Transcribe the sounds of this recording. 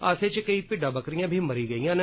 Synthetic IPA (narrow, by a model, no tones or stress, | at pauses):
a̰ːseːt͡ʃkəiːpɪɖãːbəkɾijãːbʱiːməɾiːɡəijãːne